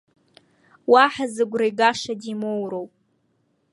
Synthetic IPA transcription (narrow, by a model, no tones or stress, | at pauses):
waħazɨɡʷrajɡaʂadimowɾowpʼ